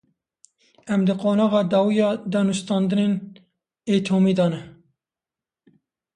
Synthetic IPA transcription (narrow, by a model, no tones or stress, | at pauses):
ɛmd̪ɨqoːnɑːɣɑːd̪ɑːwijɑːd̪ɑːnɨst̪ɑːnd̪ɨnen | ɛt̪ʰoːmiːd̪ɑːnɛ